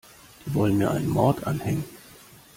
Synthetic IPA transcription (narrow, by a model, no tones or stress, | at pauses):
d̥iːvɔlənmiːɐʔa̰ɪnənmɔɐtʰʔa̰nhɛŋən